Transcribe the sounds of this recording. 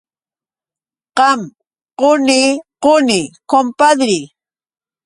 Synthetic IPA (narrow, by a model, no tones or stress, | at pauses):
qɑm | qʊniqʊnɪkompad̪ɾɪ